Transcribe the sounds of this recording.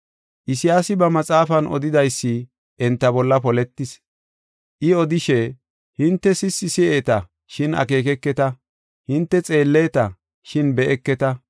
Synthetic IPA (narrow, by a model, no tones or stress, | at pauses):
ʔɪsɪjaːsɪbɐmɐt͡sʼaːfɐnʔɔ̰d̪ɪd̪ɐjsːɪ | ʔɛnt̪ːɐbɔlːɐpɔlɛt̪ːɪs | ʔɪɔd̪ɪʃɛ | hɪnt̪ːɛsɪsːɪsɪeːt̪ɐ | ʃɪnɐ̰ke̞ːkɛkːɛt̪ɐ | hɪnt̪ːɛt͡sʼe̞ːlːeːt̪ɐ | ʃɪnbɛʔɛkːɛt̪ɐ